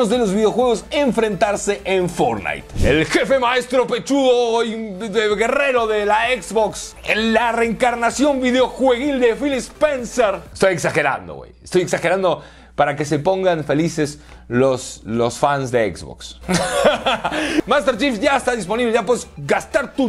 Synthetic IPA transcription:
ozðe̞lo̞zβiðeo̞xwe̞ɣ̞o̞se̞ɱfɾe̞nt̪aɾse̞ʔeɱfo̞ɾna̰jt̪elxe̞fe̞mae̞st̪ɾope̞t͡ʃuðoieɣe̞re̞ɾo̞ðelaekzbokselare̞ːŋkaɾnasjo̞mbiðeo̞xwe̞ɣild̪e̞filispenseɾest̪ojeksaxe̞ɾa̰nd̪o̰wḛjest̪o̞jeksaxeɾand̪o̞ | paɾake̞s̬e̞po̞ŋɡanfe̞lise̞s | loslo̞sfansd̪eḛkzβo̰ks | mast̪eɾt͡ʃift̪ʝaest̪aðispo̞niβleʝap̬weesɡast̪aɾt̪u

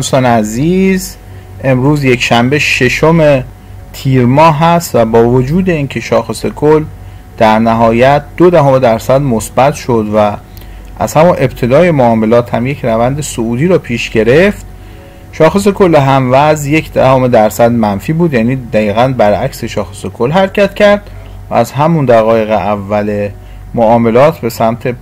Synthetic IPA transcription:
nsɒːnæziːz | e̞mɾuːzje̞cʰʃæmbe̞ʃe̞ʃome̞ | t̪ʰiːɾmɒːɦæst̪væbɒːvod͡ʒuːd̪e̞iːnkʰe̞ʃɒːxe̞se̞kʰolː | d̪̥æɾnæɦɒːjæt̪̚ʰd̪̥od̪æɦomed̪æɾsæd̪mosb̥æt̪ʰʃod̪væ | ʔæ̰z̥hæmunʔe̞bt̪ʰe̞d̪ɒːje̞moɒːme̞lɒːt̪ʰhæmje̞cʰɾævænd̪e̞souːd̪iːɾɒːpʰiːʃɟe̞ɾe̞ft̪ | ʃɒːxe̞s̬e̞kʰolːeɦæmvæzje̞cʰd̪æhome̞d̪æɾsæd̪mænfiːbuːd̪jæːniːd̪æiːɣænbæɾʔæcse̞ʃɒːxesekʰolɦæɾcʰæt̪cʰæɾd̪̥ | væ̰ːzɦæmund̪æɣɒːje̞ɣeʔævːæle̞ | moɒːme̞lɒːt̪ʰbe̞sæmt̪ʰe̞

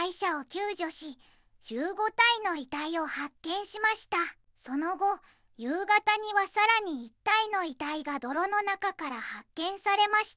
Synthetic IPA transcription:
aiɕao̞kʲɨːʑo̞ɕi | d͡ʑ̥ɨːɡo̞t̪aino̞it̪aio̞hakːẽ̞ɰ̃ɕimaɕi̥t̪a | so̞no̞ɡo̞ | jɯ̟ːɡat̪aɲ̟iβasaɾaɲ̟iːt̪ːaino̞it̪aiɡad̪o̞ɾo̞no̞nakakaɾahakːẽ̞ɰ̃saɾe̞maɕi̥t̪a

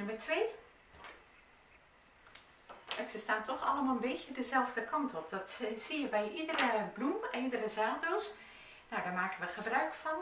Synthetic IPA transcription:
nʊməɹtʰʋeː | ɛtsəstaːntʰɔxɑlˠəmalˠənbeːtjədəzɛlˠvdəkʰɑntʰɔp̚dɔtsijəbɛjʔidərəblumɛnidərəzaːdos | nawdaːɹmaːkənʋəχəbrœɥkfɔn

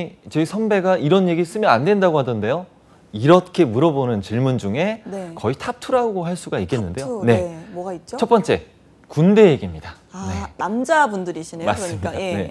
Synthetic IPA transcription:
t͡ɕʌisʰʌnbe̞ɡaʔiɾʌnje̞ɡis͈ɯmjʌnandwendaɡohadʌnde̞jo | iɾʌkʰe̞muɾʌbonɯnt͡ɕiɭmund͡ʑuŋe̞nekʌitʰap̚tʰuɾauɡoɦaɭs͈uɡaik͈e̞nːɯndeone̞mɡait͡ɕ͈t͡ɕʰʌp͈ʌnt͡ɕ͈e̞ | kunde̞jeɡimɲida | anenamd͡ʑabundɯɾiɕʰinemas͈ɯmɲiane̞̰

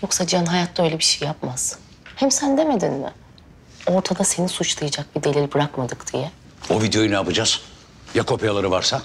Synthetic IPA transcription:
jo̞ksad͡ʒjanɦajat̪ʰːaølʲebiʃejːapmaz̥ | hɛmsɛnd̪e̞me̞d̪inmɪ̰ | o̞ɾt̪ʰad̪ase̞nisut͡ʃlˠajad͡ʒak̚bid̪e̞lʲilʲbɯɾakmad̪ɯkd̪̥ijɛ | o̞vid̪ejo̞junaːpɯd͡ʒaz̥ | jakʰo̞pʰjalˠaɾɯvaɾsa

